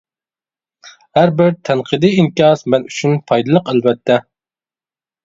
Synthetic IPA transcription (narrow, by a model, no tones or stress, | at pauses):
hæɾbɪɾt̪ʰɛnqʰɨd̪ɨinkʲɑsmɛnyt͡ʃʰynpʰɑjd̪ɨlˠəqælvɛt̪ʰːɛ